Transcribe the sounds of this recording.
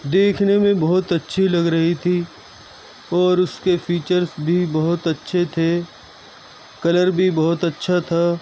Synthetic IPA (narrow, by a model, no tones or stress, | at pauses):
d̪eːkʰnemẽbɐɦʊt̪ɐtːʃʰilɐɡɾɐɦit̪ʰi | ɔːɾʊskefiːt͡ʃəɾzbʱibɐɦʊt̪ɐtːʃʰet̪ʰe | kɐləɾbʱibɐɦʊt̪ɐtːʃʰat̪ʰaː